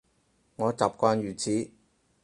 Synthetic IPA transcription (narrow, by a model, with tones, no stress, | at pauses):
ŋɔː˨˧t͡saː˨p̚kʷaː˧njyː˨˩t͡sʰiː˨˥